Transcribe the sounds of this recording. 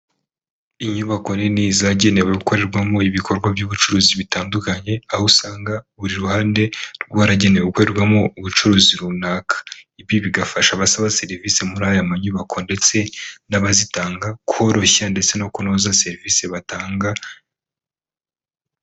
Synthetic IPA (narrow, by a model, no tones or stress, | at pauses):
iɲuβako̞niniːzaɟe̞ne̞weuko̞ɾe̞ɾɡwamo̞iβikʰo̞ɾɡwabjuːβut͡ʃuɾoːziβitaːndukaɲe̞ahusaːŋɡaβuɾiɾuhaːnde̞ɾɡwaːɾaɟe̞neweuko̞ɾe̞ɾɡwamo̞uβut͡ʃuɾoːziɾunakʰḁibjiβiɡafaʃaβasaβase̞ɾvise̞muɾaːjamaɲuβakʰo̞nde̞t͡se̞naβazitaːŋɡakuho̞ɾo̞çande̞t͡se̞no̞kunoːzase̞ɾivise̞βataːŋɡa